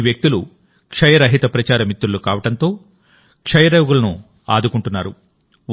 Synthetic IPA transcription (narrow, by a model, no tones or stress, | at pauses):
ʋjɐk̚t̪ulṵ | kʂɐjɐɾɐɦit̪ɐpɾɐt͡ʃaːɾɐmit̪ːɾulukaːʋɐʈɐnt̪o̞ː | kʂɐjɐɾɐjɡulɐnu | a̰ːd̪ukuɳʈunːaːɾṵ